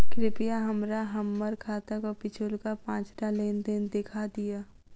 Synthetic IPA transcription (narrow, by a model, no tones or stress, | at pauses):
kɾɪpɪjaɦɐmɾaɦɐmːəɾkʰaːt̪akopɪt͡ʃʰʊlkapãːt͡ʃɾaleːnd̪end̪ekʰad̪ijaː